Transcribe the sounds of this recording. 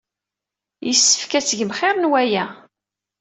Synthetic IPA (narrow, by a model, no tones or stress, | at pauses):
jəsːə̥fkæt͡sːəʝəmχɪɾˤnwæjæ